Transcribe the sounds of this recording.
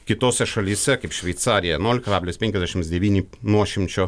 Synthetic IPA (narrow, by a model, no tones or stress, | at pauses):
kʲɪt̪oːsʲɛʃɐlʲiːsʲɛkɐɪpʃʲʋʲɛɪt̪sɑːɾʲɪjɛnuːlʲɪkɐɾaːbʲlʲoːsʲpʲɛŋʲkʲɛzd̪ʲæɛʃʲɪmsd̪ʲɛʋʲiːnʲinuɔʃʲɪmʲt͡ʃʲoː